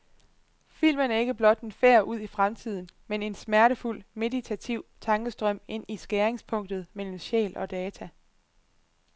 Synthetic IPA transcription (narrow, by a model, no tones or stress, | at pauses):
fil̰mənæɐe̝ɡ̥əb̥lɒ̽d̥enfeɐ̰ʔuð̞̰ˠifʁamt͡sʰið̰ˠn̩mene̝nsmæɐɾəful̰me̝dit͡sʰæt͡sʰiʊ̰t͡sʰɑ̈ŋɡ̥əsd̥ʁœm̰e̝n̰isɡ̥eːʁeŋspʰɔ̽ŋ̰d̥ð̩ˠmel̰m̩ɕɛ̰ːlɒ̽d̥ɛːt͡sʰæ